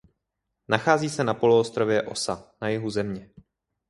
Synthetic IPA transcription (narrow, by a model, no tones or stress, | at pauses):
naxaːziːsɛnapo̞luost̪ɾo̞vjɛʔo̞̰sanajɪɦuzɛmɲɛ